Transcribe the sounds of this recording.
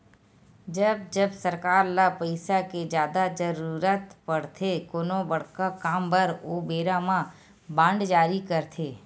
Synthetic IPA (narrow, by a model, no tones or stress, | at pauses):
d͡ʒəb̚d͡ʒəbsəɾkaːɾlapəɪsaked͡ʒjaːd̪ad͡ʒəɾuːɾət̪pəɽt̪ʰekoːnobəɽkakaːmbəɾobeːɾamã | bãːɳɖd͡ʒaːɾikəɾt̪ʰeː